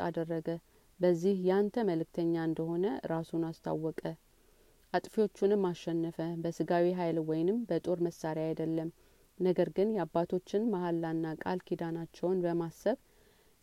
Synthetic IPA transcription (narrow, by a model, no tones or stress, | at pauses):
a̰d̪ərːəɡə | bəzːihjant̪ʰəməlɨk̚t̪ʰəɲːaɨnd̪əɦo̞nəɾasunast̪ʰa̰wːɔkʼə | ʔat̪ʼfio̞t͡ʃːunɨmːaʃːɛnːəfəbəsɨɡawiɦajlwɔjnɨmbət̪ʼo̞ɾməsːaɾjaajd̪əlːəm | nəɡəɾɡɨnjɛabːat̪ʰo̞t͡ʃːɪnmahalːanːakʼa̰lkʰid̪anat͡ʃːɛwnbəmasːəβ